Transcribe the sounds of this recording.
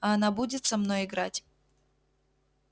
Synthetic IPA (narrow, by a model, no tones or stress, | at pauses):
ɐɐnabudʲɪt̪sɐmnojɪɡɾatʲ